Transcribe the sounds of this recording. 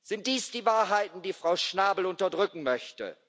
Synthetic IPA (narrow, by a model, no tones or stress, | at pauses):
z̥ɪnt̚d̥iːsd̥iːvaːɐɦaɪtn̩diːfʁ̥aʊʃnaːbl̩ʊntɐdʁʏkŋ̩mœçtə̰